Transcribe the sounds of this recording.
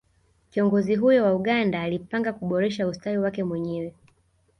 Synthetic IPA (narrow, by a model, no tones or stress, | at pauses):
kiɔŋɡɔziɦujɔwauɠandaːlipaŋɡakuɓɔɾɛʃaustaiwakɛmwɛɲɛwɛ